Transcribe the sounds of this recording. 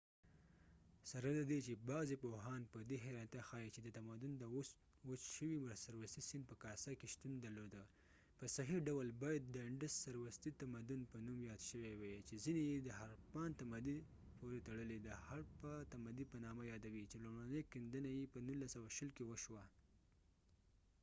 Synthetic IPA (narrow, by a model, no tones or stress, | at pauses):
saɾalad̪et͡ʃebɑzepoɦɑnpəd̪eɦajɾɑnt̪axɑjit͡ʃed̪ət̪amad̪ʊnd̪əwos | wət͡ʃʃəwimʊɾasaɾwast̪isinpəkɑsakeʃt̪und̪aɾlod̪ə | pəsaɦiɖawəlbɑjad̪̚ːəɪɳɖəssaɾwast̪it̪amad̪ʊnpənumjɑd̪ʃəwewet͡ʃezinejed̪əɦaɾpɑnt̪amad̪i | poɾet̪aɽəled̪əhaɽpat̪amad̪ipənɑmajɑd̪awit͡ʃelomɽanəkɪnd̪ənajepənulːasawaʃəlkewəʃwa